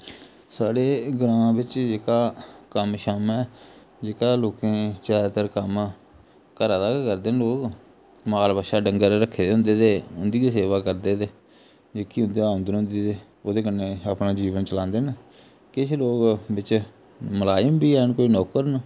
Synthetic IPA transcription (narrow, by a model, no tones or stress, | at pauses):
saːɽeːɡəɾãːbɪt͡ʃd͡ʒeːkaːkəmʃəmɛː | d͡ʒeːkaːloːkẽːt͡ʃaːt̪əɾkəm | kəɾaːd̪aːkəɾd̪eːnloːk | maːlbaːʃaːɖəŋɡəɾɾəkʰːeːd̪eːɦʊ̃nd̪eːd̪eːʊnd̪iːd̪eːseːʋaːkəɾd̪eːd̪eː | d͡ʒeːkiːɦʊ̃nd̪eːaɦʊ̃nd̪nʊ̃nd̪eːd̪eː | oːd̪eːkənːeːaːpnaːd͡ʒiːʋənt͡ʃəlãːnd̪eːn | kɪʃloːkbɪt͡ʃ | məlaːjəmbiːɛːnkoːiːnɔːkəɾn